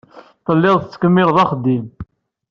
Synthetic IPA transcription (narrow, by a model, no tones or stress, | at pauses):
t̪ˤəlːɪðˤθət͡sːə̥kəmːɪlðˤɑχd̪ːim